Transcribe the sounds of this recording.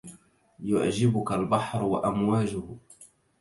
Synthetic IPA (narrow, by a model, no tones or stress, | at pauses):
jʊ̰ʕd͡ʒɪbʊkalbɑħɾwa̰ʔamwaːd͡ʒʊh